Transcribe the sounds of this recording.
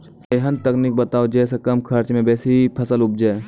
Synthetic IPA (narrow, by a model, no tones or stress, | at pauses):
eːɦənt̪əknik̚bɐt̪aːod͡ʒɛːsekɐmkʰɐɾt͡ʃmẽbɛːseipʰəsəlʊp̚d͡ʒaː